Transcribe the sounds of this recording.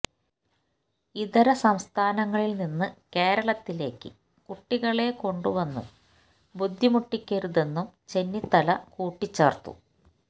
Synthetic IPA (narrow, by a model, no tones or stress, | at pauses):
iðɐɾɐsɐmst̪ʰaːnɐŋːɐɭilninːɨke̞ːɾɐɭɐt̪ːile̞ːkːɨ | kuʈːiɣɐɭe̞ko̞ɳɖuʋɐnːṵm | bud̪ʱːimuʈːikʲːeɾuðe̞nːumt͡ɕe̞nːit̪ːɐlɐkuːʈːit͡ɕːeːrt̪ṵ